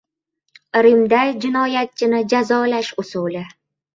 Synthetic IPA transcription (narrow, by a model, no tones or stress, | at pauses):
ɾɪmd̪ad͡ʒɪnɒːjat̪̚t͡ʃʰɪnɪd͡ʒazɒːlaʃʊsowlɪ